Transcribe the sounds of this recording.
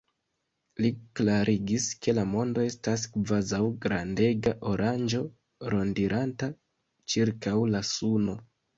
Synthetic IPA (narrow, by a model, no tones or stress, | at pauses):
liklaɾʔiɡiske̞lamo̞ndo̞e̞staskvazawɡɾande̞ɡaʔo̞ɾʔand͡ʒo̞ | ɾo̞ndiɾʔanta | t͡ʃiɾkawlasuno̞